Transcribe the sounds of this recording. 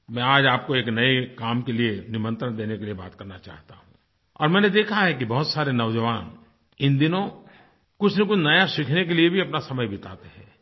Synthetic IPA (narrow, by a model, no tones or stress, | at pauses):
mɛ̃aːd͡ʒaːp̚koeːknɐekaːmkelienɪmə̃nt̪ɾəɽ̃d̪eːnekeliebaːt̪kɐɾnat͡ʃa̰ːɦt̪a̰ɦũ | ɔ̰ːɾmɛ̃ːned̪eːkʰaɦɛk̬ibɐɦʊt̪saːɾenɐʋd͡ʒəʋaːn | ɪnd̪ɪnõ | kʊt͡ʃʰnek̬ʊt͡ʃʰnɐjaʃɪkʰnek̬eliebʱiɐpnasɐməjbɪt̪a̰ːt̪eɦɛ̰̃ː